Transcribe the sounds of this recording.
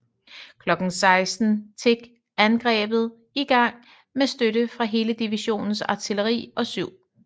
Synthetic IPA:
kʰlɒ̽ɡ̥n̩sɑ̈ɪsd̥n̩t͡sʰeɡ̥ | ænɡ̥ʁɛ̰ːb̥ð̞̩ˠ | iɡ̥ɑ̈ŋ̰ | mesd̥øɾəfʁɑ̈ɦe̝ːləd̥iʋiɕo̝̰ːnn̩sɑ̈t͡sʰiləʁḭːɒ̽syʊ̰

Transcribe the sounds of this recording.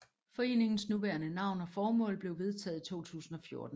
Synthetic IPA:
fɒ̽e̝̰ːne̝ŋn̩snuʋæɐnənɑ̈ʊ̰nɒ̽fɒːmɔ̰ːlb̥le̝ʊʋe̝ð̞ˠt͡sʰɛ̰ːð̩ˠit͡sʰo̝̰ːt͡sʰṵːsn̩ɒ̽fjo̝ɐd̥n̩

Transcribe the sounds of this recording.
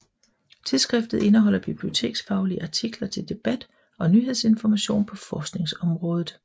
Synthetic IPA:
t͡sʰeðˠsɡ̥ʁɛfd̥ð̩ˠe̝nəɦɒ̽l̰ɐb̥ib̥lio̝t͡sʰe̝̰ːɡ̥sfɑ̈ʊliʔɑ̈t͡sʰiɡ̥lɐt͡sʰe̝ld̥e̝b̥æd̥ | ɒ̽nyːɦese̝nfɒmæɕo̝̰ːnpʰɒ̽fɒːsɡ̥ne̝ŋsɒ̽mʁɔ̽ːð̞ˠð̩ˠ

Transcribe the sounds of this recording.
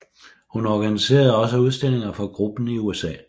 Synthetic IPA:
hunɒɡ̥ænise̝̰ːɐð̞̩ˠɒ̽s̬əuð̞ˠsd̥e̝l̰e̝ŋɐfɒ̽ɡ̥ʁub̥n̩iuesɛ̰ː

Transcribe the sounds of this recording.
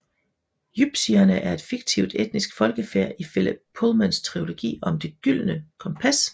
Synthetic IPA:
jyb̥siɐnəʔæɐe̝d̥fiɡ̥̚t͡sʰiʊd̥ed̥̚nisɡ̥fɒ̽lɡ̥əfeɐ̰ʔifel̰əbpʰolmænst͡sʰʁio̝lo̝ɡ̥ḭːɒ̽md̥e̝ɡ̥yl̰nəkʰɒ̽mpʰæs

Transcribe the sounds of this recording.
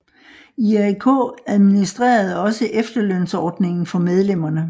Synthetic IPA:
iækʰo̰ːæð̞ˠminisd̥ʁḛːɐð̞̩ˠɒ̽səʔefd̥ɐløn̰sɒːd̥ne̝ŋn̩fɒ̽með̞ˠlem̰ɐnə

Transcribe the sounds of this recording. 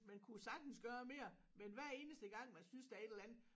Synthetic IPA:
mænkʰusɑ̈ɡ̥̚d̥n̩sɡ̥ɶːɐme̝̰ːɐ | menʋæɐ̰e̝ːnəsd̥əɡ̥ɑ̈ŋ̰mænsynsd̥eɐe̝ɾelænð̩ˠ

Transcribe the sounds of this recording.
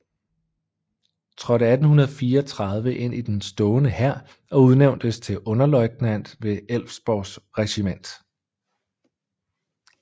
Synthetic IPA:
t͡sʰʁɒ̽ɾəæd̥n̩hunɐð̩ˠfiːɐɒt͡sʰʁɑ̈ð̞ˠʋəʔe̝n̰id̥ensd̥ɔːnəhæɐ̰ | ɒ̽uð̞ˠneʊnd̥əst͡sʰe̝ʔɔ̽nɐlɒ̽ɪɡ̥næn̰d̥ʋe̝el̰fsb̥ɒʊsʁɛɕimen̰d̥

